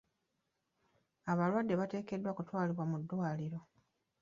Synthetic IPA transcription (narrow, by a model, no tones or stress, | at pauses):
aβalwadːe̞βate̞ːke̞dːwakutwaːliβwamudːwaːliɾo̞